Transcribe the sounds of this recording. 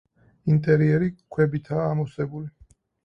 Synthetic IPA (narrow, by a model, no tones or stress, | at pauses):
int̪ʼɛɾiɛɾikʰwɛbit̪ʰaːmɔsɛbuli